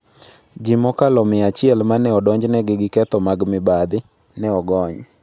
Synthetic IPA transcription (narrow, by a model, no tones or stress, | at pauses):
d͡ʒimɔkalɔmɪat͡ʃɪɛlmanɛɔdɔɲd͡ʒnɛɡɪɡɪkɛt̪ɔmaɡmɪbad̪ɪ | nɛɔɡɔɲ